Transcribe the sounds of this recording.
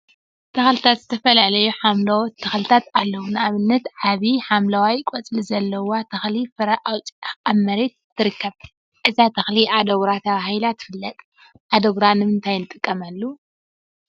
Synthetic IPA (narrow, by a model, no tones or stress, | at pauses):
t̪ʰɐxlɨt̪ʰat̪zɨt̪ʰɐfɐlaʕlɐjuħamlot̪ʰɐxlɨt̪ʰat̪alːɐwunɨaβɨnːɐt̪ʕaβiħamlawajkʼot͡sʼlizɐlːɐwat̪ʰɐxlifɨɾaʔawʼamːɐɾe̞t̪ʰːɨɾɨkːɐβ | ʔɨzat̪ʰɐxliʔad̪ɐɡɾat̪ʰɐβahilat̪ʰːɨ̥fɨlːɐt̪ʼ | ʔad̪oɡɾanɨmɨnt̪ʰajnɨt̪ʼɨkʼːɐmalːu